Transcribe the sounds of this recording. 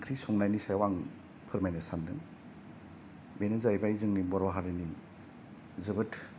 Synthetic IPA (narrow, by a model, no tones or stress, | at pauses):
kʰɾisɔŋnajnisajwaŋ | pʰɯɾmajnasandɯŋ | benɯzajbaizɯŋnibɔɾɔɦaɾɯni | zɯbɯtʰ